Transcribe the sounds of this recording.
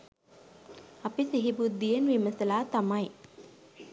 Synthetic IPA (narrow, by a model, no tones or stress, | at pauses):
ɐpisiɦibud̪ːijenʋiməsɐlaːt̪amaj